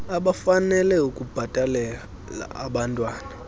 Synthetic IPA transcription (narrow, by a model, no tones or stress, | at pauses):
aɓafanɛlɛukʼub̥ʱatʼalɛ | la̰aɓantʼwaːna